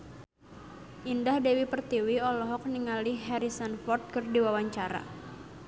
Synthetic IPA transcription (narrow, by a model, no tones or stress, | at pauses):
ʔindahdewipərt̪iwiɔlɔɦɔk̚niŋaliɦɛɾisanfɔrt̪̚kɨrdiwawaɲt͡ʃaɾa̰